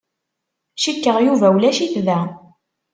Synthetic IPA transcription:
ʃikːəʁjuvæwlæʃiθðæ

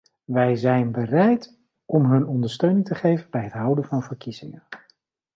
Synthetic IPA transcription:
ʋɛjzɛjnbərɛjt | ʔɔmɦɵnɔndəɹstøɥnɪŋtəχejvənbɛjɦətɦʌwdənvɑnvəɹkizɪ̰ŋən

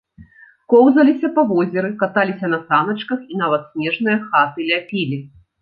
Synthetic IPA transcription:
kɔwzɐlʲisʲɐpavɔzʲɛɾɨkat̪alʲisʲɐnɐsanɐt͡ʂkɐxin̪avɐt̪sʲmʲɛʐnɨjɐxat̪ɨlʲapʲilʲi

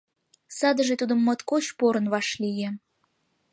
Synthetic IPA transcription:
sɑd̪əʒet̪ud̪əmːət̪kot͡ɕpoɾə̆nβɑʃlije

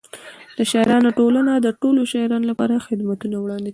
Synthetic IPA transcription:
d̪̥əʃɑɾɑnoʈolanad̪əʈoloʃɑɾɑnolapɑ̰ɾaxɪd̪mat̪unawɽɑnd̪ik

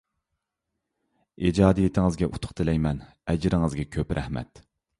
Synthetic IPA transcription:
id͡ʒɑːd̪ijet̪ʰɪŋɨzɡʲɛʔut̪ʰʊ̥χt̪ʰɨlɛjmɛn | ɛd͡ʒɾɪŋɨzɡʲɛkʲʰøpɾʔɛ̰hmɛ̰t̪

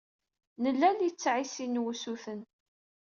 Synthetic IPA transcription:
nəlːæljit͡sːʕisinwusuθən

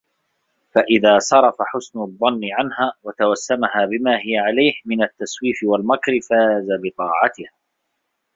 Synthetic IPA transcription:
faʔɪðaːsˤɑɾˤɑfaħʊsnʊðˤːɑnːɪʕanhaːwat̪awasːamahaːbɪmaːhɪjaʕalajhmɪnat̪ːaswiːfɪwalmakɾɪfaːzabɪt̪ˤɑːʕɑt̪ɪhaː

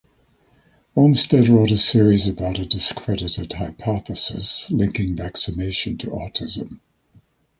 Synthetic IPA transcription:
ənstɛdɹɔɾəsɪɹizəbaʊɾədɨskʰɹ̥ɛɾɪɾədhaɪpʰɑˑθəsɪ̰slɪ̃ŋkɪ̃ŋvæksɨneɪʃə̃ntʰəʔɑ̰ˑtʰɪzə̰̃m

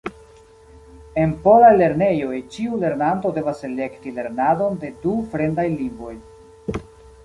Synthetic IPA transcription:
e̞npo̞lajle̞ɾne̞jo̞jt͡ʃiule̞ɾnanto̞de̞vasele̞ktile̞ɾnado̞nde̞dufɾe̞ndajliŋbo̞j

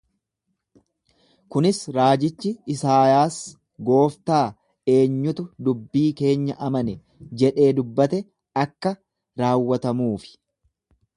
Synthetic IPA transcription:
kʊnɪsɾaːd͡ʒɪt͡ʃːɪɪsaːjaːs | ɡo̞ːft̪aː | e̞ːɲːʊt̪ʊd̪ʊbːiːke̞ːɲːɐʔɐmɐnɛ | d͡ʒɛᶑe̞ːd̪ʊbːɐt̪ɛ | ɐkːɐ | ɾaːwːɐt̪ɐmuːfɪ̥

